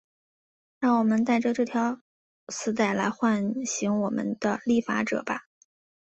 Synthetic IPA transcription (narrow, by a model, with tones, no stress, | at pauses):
ɻɑ˥˩ŋwɔ˨˩mə˦nt̪a˥˧ɪʈ͡ʂə˧ʈ͡ʂɤ˥˩t̪ʰjɑ˧˥ʊ | sɹ̩˥t̪a˥˩ɪla˧˥ɪxwa˥˩nɕi˧˥ŋwɔ˨˩mə̰˦nd̪̥ə˧li˥˩fa̰˧˥ʈ͡ʂɤ̰˨˩bɐ˧˦